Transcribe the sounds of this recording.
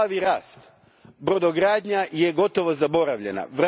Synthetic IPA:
aʋiɾaːst̪ | bɾod̪oɡɾaːd̪ɲaje̞ɡo̞t̪o̞ʋozabo̞ɾaʋʎe̞̰na̰ʋɾ

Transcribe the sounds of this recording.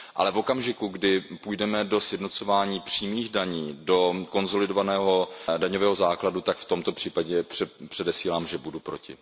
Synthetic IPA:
ʔa̰lɛvokamʒɪkuɡdɪpujdɛmɛdo̞sjɛdno̞t͡sovaːɲiːpr̥iːmiːɣdaɲiːdo̞ko̞nzo̞lɪdovanɛːɦo̞daɲovɛːɦo̞zaːkladut̪akft̪o̞mt̪o̞pr̥iːpaɟɛprɛpr̝̥ɛdɛsiːlaːmʒɛbudupɾocɪ̰

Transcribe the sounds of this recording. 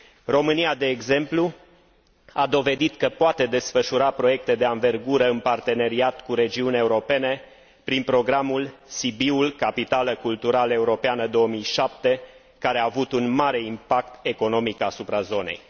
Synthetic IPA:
ro̞mɨniad̪e̞ːɡze̞mplu | ad̪o̞ve̞d̪it̪kəpoat̪e̞d̪e̞sfəʃuɾapɾo̞je̞k̚t̪e̞d̪e̞anve̞rɡuɾəɨnpart̪e̞ne̞ɾiat̪kuɾe̞d͡ʒiunʲae̞uɾo̞pe̞ne̞ | pɾinpɾo̞ɡɾamulsibiulkapit̪aləkult̪uɾaləe̞uɾo̞peanəd̪o̞wəmijʃap̚t̪e̞ | kaɾeaːvut̪unmaɾe̞impak̚t̪e̞ko̞no̞mikasupɾazo̞ne̞̰j

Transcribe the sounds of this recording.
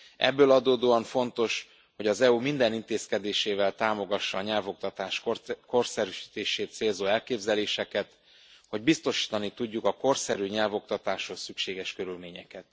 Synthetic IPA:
ɛ̰bːøːlɒd̪oːd̪oːɒɱfo̞nt̪o̞ʃ | ho̞ɟɒzɛumind̪ɛnint̪eːskɛd̪eːʃeːvɛlt̪aːmo̞ɡɒʃːɒːɲɛlvo̞k̚t̪ɒt̪aːʃko̞rsɛɾyʃi̥ːt̪eːʃeːt̪seːlzoːɛlkeːbzɛleːʃɛkɛt̪ | ho̞ɟbist̪o̞ʃi̥ːt̪ɒnit̪uɟːukɒko̞rsɛɾyːɲɛlvo̞k̚t̪ɒt̪aːʃho̞ssykʃeːɡɛʃkø̞ɾylmeːɲɛkɛt̪̚

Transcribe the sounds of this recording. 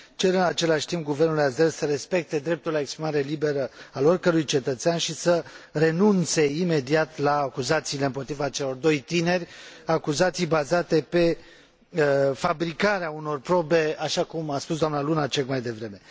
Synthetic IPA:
t͡ʃe̞ɾɨnat͡ʃe̞laʃʲt̪impɡuve̞rnulijazelsəɾe̞spe̞k̚t̪e̞d̪ɾe̞p̚t̪ulaekspɾimaɾe̞libe̞ɾəalo̞rkəɾujt͡ʃe̞t̪ət̪seanʃisəre̞nunt̪se̞ime̞d̪iat̪laːkuzat̪siːle̞ɨmpo̞t̪ɾivat͡ʃe̞lo̞rd̪o̞jt̪ine̞rʲakuzat̪sijbazat̪e̞pe̞ | əfabɾikaɾeauno̞rpɾo̞be̞aʃakumaspusd̪oamnalunat͡ʃekmajd̪e̞vɾe̞me̞

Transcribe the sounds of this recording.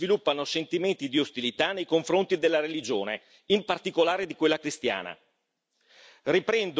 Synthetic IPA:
vilupːanosent̪iment̪id̪iost̪ilit̪anːejkoɱfɾont̪id̪elːaɾelid͡ʒoːne | impart̪ikolaːɾed̪ikwelːakɾist̪ja̰ːna̰ | ripɾɛnd̪

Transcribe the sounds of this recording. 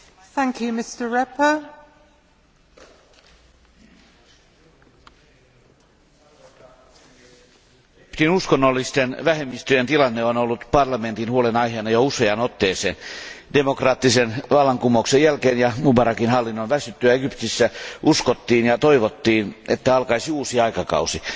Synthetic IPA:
θæ̃ŋkʰjʉmɪstəɹɛpə | ypt̪inuskonːolːist̪enʋæhemːist̪yjent̪ilɑnːeonolːut̪pɑrlɑme̞nt̪inhuolenɑiɦeːnɑjouseɑnot̪ːeːsḛːnde̞mokrɑːt̪ːisenʋɑlːɑŋkumouksejælkeːnjɑmubɑɾɑkinɦɑlːinːonʋæsyt̪ːyjæeɡ̥ypt̪isːæuskot̪ːiːnjɑt̪oiʋot̪ːiːnet̪ːæɑlkɑisiuːsiɑikɑkɑ̰usi

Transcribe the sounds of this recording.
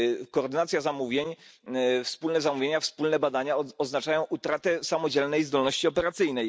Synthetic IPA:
kɔːɾd̪ɘnat̪sʲjazamuvʲjeɲ | fspulnɛzamuvʲjeɲafspulnɛbad̪aɲaɔznat͡ʂajɔ̃w̃ʔut̪ɾat̪ɛsamɔd͡ʑɛlnɛjzd̪ɔlnɔɕt͡ɕiɔpɛɾat̪sɘjnɛj

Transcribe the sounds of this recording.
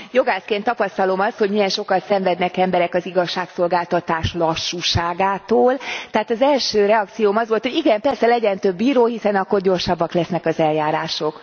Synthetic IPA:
jo̞ɡaːskeːnt̪ːɒpɒst̪ɒlo̞mɒsho̞ɟmiɛnʃo̞kɒt̪sɛɱvɛd̪nɛkɛmbɛɾɛkɒziɡɒʃːaːkso̞lɡaːlt̪ɒt̪aːʃlɒʃːuːʃaːɡaːt̪oːlt̪ɛɦaːt̪ɒzɛlʃøːɾɛɒkt̪sijoːmɒzʋo̞lt̪hoɟiɡɛmpɛrsɛlɛɟɛnt̪ø̞bːiːɾoːɦisɛnɒkːo̞rɟo̞rʃɒbːɒklɛsnɛkɒzɛljaːɾaːʃo̞k

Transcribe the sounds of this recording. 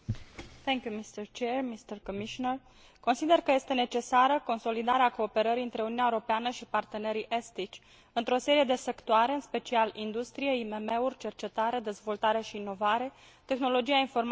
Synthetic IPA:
θʰɛŋkʲjumist̪əɾt͡ʃermist̪ərkomiʃonər | ko̞nsid̪e̞rkəje̞st̪e̞ne̞t͡ʃe̞saɾəko̞nso̞lid̪aɾeako̞ːpe̞ɾəɾiɨnt̪ɾe̞ununʲaeoɾopeanəʃipart̪e̞ne̞ɾiʔest̪it͡ʃʲ | ɨnt̪ɾo̞se̞ɾije̞d̪e̞se̞kt̪oaɾe̞ɨnspe̞t͡ʃialind̪ust̪ɾije̞ime̞me̞urʲt͡ʃe̞rt͡ʃe̞t̪aɾe̞d̪e̞zvo̞lt̪aɾe̞ʃiːnːo̞vaɾe̞ | t̪e̞xno̞lo̞d͡ʒijainfo̞rm

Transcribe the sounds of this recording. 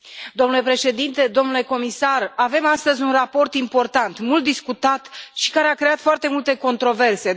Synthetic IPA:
d̪omnule̞pɾe̞ʃe̞d̪int̪e̞d̪o̞mnule̞ko̞misarave̞mast̪əzʲunrapo̞rt̪impo̞rt̪ant̪mult̪̚d̪iskut̪at̪ʃi̥kaɾe̞akɾe̞at̪foart̪e̞mult̪e̞ko̞nt̪ɾo̞ve̞rse̞

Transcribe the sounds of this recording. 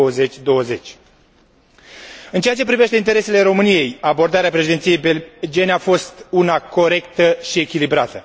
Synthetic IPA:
wəze̞t͡ʃʲd̪o̞wəze̞t͡ʃʲ | ɨnt͡ʃe̞at͡ʃe̞p̬ɾive̞ʃt̪e̞int̪e̞ɾe̞se̞le̞ɾo̞mɨnije̞jabo̞rd̪aɾeapɾe̞ʃid̪ent̪sijejbed͡ʒieneafo̞st̪unako̞ɾe̞kt̪əʃie̞kʲilibɾat̪ə

